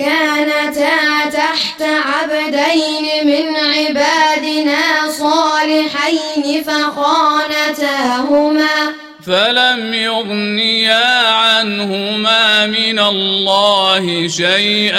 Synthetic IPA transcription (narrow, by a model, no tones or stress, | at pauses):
kaːnat̪aːt̪aħt̪aʕabad̪ajnɪmɪnʕɪbaːd̪ɪnaːsˤɑːlɪħajnɪfaqɑːnat̪aɦʊmaː | falamjʊɣnɪjaʕanhʊmaːmɪnalːɑːhɪʃajʔ